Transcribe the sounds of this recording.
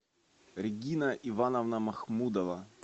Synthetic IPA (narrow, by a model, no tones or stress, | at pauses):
ɾʲɪɡʲinɐʔivanɐvnɐmɐxmud̪ɐvɐ